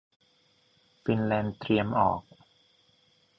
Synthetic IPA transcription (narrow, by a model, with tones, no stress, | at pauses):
fi˧nlɛː˧nt̪ɾi˧əmʔɔ̰ː˨˩k̚